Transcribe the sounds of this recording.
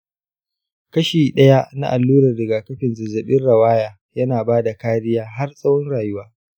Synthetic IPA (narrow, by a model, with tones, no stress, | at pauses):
kɐ˦ʃiː˨ɗɐ˦ja˦na̰˦ʔa˨lːuː˦ɾɐ˨rdɪ˨ɡaː˨kɐ˦ɸɪ˨nzɐ˨zɐ˨ɓɪ˦nɽɐ˨waː˦jaː˨ | jɐ˦naː˨baː˦da˨kaː˦ɽɪ˦jaː˦ɦa˦rsʼɐ˦wɔ˦nɽaː˨jʊ˦waː˦